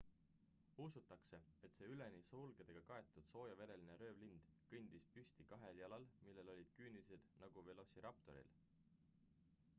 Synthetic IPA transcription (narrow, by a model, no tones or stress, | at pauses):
usut̪ːˑɑkse̞e̞t̪se̞ːyle̞nisulɡ̥e̞d̪̥eɡ̥ɑkɑe̞t̪ˑːud̪̥so̞ːjɑve̞ɾe̞lineɾø̞ːvlind̪̥kɯnʲd̪̥ispysʲt̪ikɑɦe̞ljɑlɑlmilːe̞lo̞lʲid̪̥̚kyːnilise̞d̪̥nɑɡ̥uve̞lo̞siɾɑp̚t̪o̞̰ɾḭl